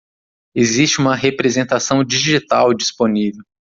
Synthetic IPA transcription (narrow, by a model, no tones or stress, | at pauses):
ezist͡ʃɪũmɐɦepɾezẽnt̪asɐ̃w̃d͡ʒiʒit̪awd͡ʒisponivew